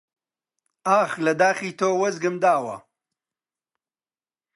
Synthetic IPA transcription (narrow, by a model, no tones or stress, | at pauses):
aːxlɐd̪aːxiːt̪ʰoːwɐzɡɨmd̪aːwɐ̰